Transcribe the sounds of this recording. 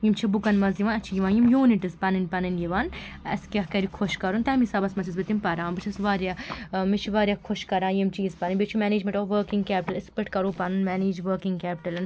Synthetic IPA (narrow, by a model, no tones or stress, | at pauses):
jimt͡ʃʰibukɐnmɐzjiʋaːnɐt͡ʃʰijiʋãːnjimjuːniʈizpɐnɐnʲpɐnɐnjiʋaːnɐ̰skʲɐɦkɐɾikʰoʃkɐɾunt̪ɐmisɐbɐsmɐt͡ʃʰizbɨt̪impɐɾãːnbɨt͡ʃʰɐsʋaːɾjaːmit͡ʃʰiʋaːɾjaːkʰʊʃkɐɾãːnjimt͡ʃʰijizpɐnɐnʲbit͡ʃʰimɛːneːd͡ʒmẽɳʈoːʋɐːɾkiŋɡkɛːpʲʈɐlɪspeʈkɐɾoːpɐnunmɛːneːd͡ʒʋɐːkiŋɡkɛːpiʈɐlɐn